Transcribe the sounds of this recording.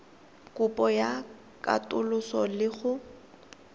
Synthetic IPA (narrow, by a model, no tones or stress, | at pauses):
kʼʊpʼɔja | kʼa̰tʼʊlʊsɔlɪɣʊ